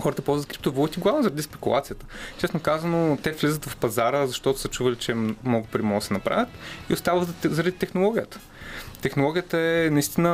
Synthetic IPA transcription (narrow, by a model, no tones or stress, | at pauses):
xɔɾət̪əpɔlˠzət̪kɾip̚t̪ovolˠut̪ʲiɡlˠavnozɐɾɐd̪ispɛkulˠat̪sijət̪ət͡ʃɛsnokazɐnot̪ɛflʲizət̪vɐfpɐzaɾəzɐʃt̪ɔt̪ʊ̥sət͡ʃuvɐlit͡ʃɛmnɔɡʊpɾʲimɔsɛnɐpɾa̰vʲjət̪ḭʊst̪avət̪zzɐɾɐd̪it̪ɛxnolˠɔɡʲijət̪ə̥ | t̪ɛxnolˠɔɡʲijət̪əɛnɐist̪inə